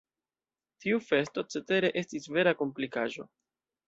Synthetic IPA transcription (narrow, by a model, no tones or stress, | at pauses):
tiufe̞sto̞t͡se̞te̞ɾe̞ʔe̞stisve̞ɾako̞mplikaʒo̞̰